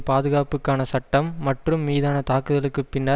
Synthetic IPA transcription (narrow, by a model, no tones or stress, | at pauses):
paːðɯɣaːpɯkːaːnɐsɐʈːɐmːɐʈrɯmːiːðaːnɐt̪aːkːɯðɐɭɯkːɯpːɪnːɐ